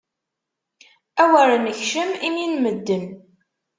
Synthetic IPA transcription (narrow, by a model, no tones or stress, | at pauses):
æwəɾənəçʃəmiminməd̪ːən